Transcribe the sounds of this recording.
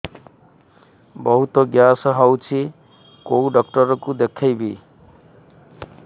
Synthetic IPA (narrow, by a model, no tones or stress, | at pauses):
bʌɦut̪oɡjasʌɦʌwt͡sʰi | kowɖʌkʈʌɾʌkud̪ekʰːʌjbi